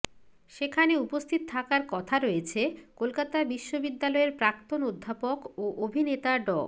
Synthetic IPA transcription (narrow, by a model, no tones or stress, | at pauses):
ʃekʰaneupost̪ʰit̪ot̪ʰakaɾkɔt̪ʰaɾoet͡ɕʰekolkat̪abiʃːobid̪ːalɔeɾpɾakt̪onod̪ʱːapokoʔobʱinet̪aɖɔ